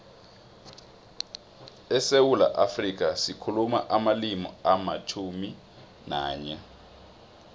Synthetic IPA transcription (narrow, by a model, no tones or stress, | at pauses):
ɛsewula̰ʔafrik̬asikʰuluma̰ʔamalimɔ̰amat͡ʃʰumi | naːɲɛ